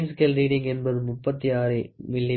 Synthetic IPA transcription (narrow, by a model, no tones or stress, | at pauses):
nskɐlɾiːɽɪŋɡɛnbɐðɯmʊpːɐt̪ːiaːɾɯmɪɭːɐ